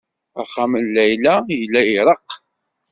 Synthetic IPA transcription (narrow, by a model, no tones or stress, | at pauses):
æ̰χaməlːæjlæjəlːæiɾˤəq